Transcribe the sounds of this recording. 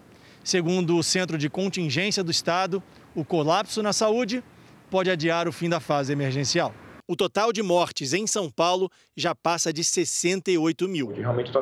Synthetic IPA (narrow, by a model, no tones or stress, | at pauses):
seɡũnd̪ʊːsẽnt̪̬ɾʊd͡ʒɪkõnt͡ʃĩʒẽsiɐd̪ʊist̪ad̪ʊ | ʊkolapsʊnɐsaud͡ʒɪ | pɔd͡ʒɪad͡ʒiaɾʊfĩd̪ɐfazɪemeɾʒẽsiawʊt̪ot̪awd͡ʒɪmɔɾt͡ʃɪzẽj̃sɐ̃w̃pawlʊ | ʒapasɐd͡ʒɪsesẽnt̪ɐiojt̪ʊmiwd͡ʒɪɦeawmẽt͡ʃɪt̪ɔ